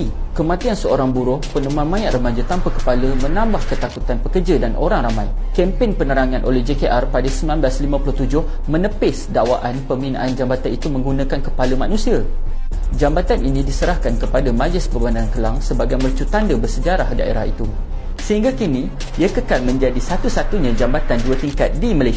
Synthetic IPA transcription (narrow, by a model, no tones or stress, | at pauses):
ikəmat̪iansəoɾaŋbuɾʊhpənəmanmãjaʔ̪rəmad͡ʒət̪ampakə̥paləmənãmbahkət̪akut̪anpəkərd͡ʒadanʔo̰ɾaŋramãjkɛmpɪnpənəɾaŋãnʔolɛhd͡ʒekeʔarpadasəmbilanblaslimãpulʊht̪ud͡ʒʊh | mə̃nə̃pɪsdawaʔanpəmina̰ʔand͡ʒambat̪anit̪umə̃ŋɡunãkankə̥paləmanũsia | d͡ʒambat̪aninĩdisəɾahkankəpadamãd͡ʒlɪspərbanaankəlaŋsəbaɡajmələt͡ʃut̪andəbərsəd͡ʒaɾahda̰ʔḛɾa̰hḭt̪u | səɦiŋɡakini | iakəkalmə̃ɲd͡ʒadisat̪usat̪uɲãd͡ʒambat̪anduat̪iŋkat̪̚diməla